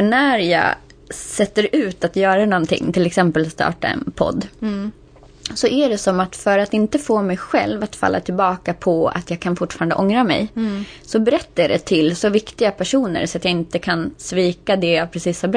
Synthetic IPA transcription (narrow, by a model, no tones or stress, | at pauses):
nːæɾjɑ̰ː | sɛt̪ːəɾʉ̟ːt̪at̪jœːɾanɔnt̪ʰɪ̰ŋːt̪ʰɪlɛksɛmpəlst̪ɑ̰ːʈa̰ɛ̰npʰɔ̰d̪ː | sɔʔæɖɛsɔmat̪fœɾat̪ɪnt̪əfoːmɛjɧɛ̰lvat̪fa̰lːʔa̰t̪ʰɪlbɑːkapʰɔa̰t̪jɑːɡkʰanfʊʈːfɑːɾand̪ə̰ʔɔŋɾamɛ̰jsɔbɛɾɛt̪ːajɖɛt̪ʰɪlsɔvɪkt̪ɪɡapʰæʂuːnə̰ɾsɔat̪jaɪnt̪əkʰansviːkad̪ɛjavpʰɾɛsiːshaɾb